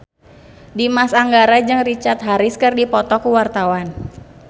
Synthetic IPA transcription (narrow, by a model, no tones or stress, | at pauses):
dimasaŋɡaɾad͡ʒɨŋrit͡ʃart̪̚ɦaɾɪskɨrdipɔt̪ɔkuwart̪awan